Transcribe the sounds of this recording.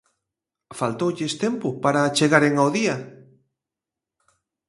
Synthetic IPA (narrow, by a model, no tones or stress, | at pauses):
falt̪owʎest̪empʊpaɾat͡ʃeɣaɾeŋaoðia